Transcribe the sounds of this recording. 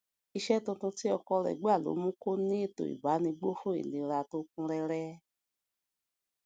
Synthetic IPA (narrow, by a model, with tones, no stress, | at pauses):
i˧ʃɛ˦tũ˧tũ˧ti˦ɔ˧kɔ˧ɾɛ̰˨ɡ͡ba˦˨lo̰˨˦mũ˦ko˦nĩ˦e˦˨to̰˨ḭ˨ba˨˦nĩ˧ɡ͡bo˦fũ˦ḭ˨nĩ˧ɾa˧to˦kũ˦ɾɛ˧ɾɛ˦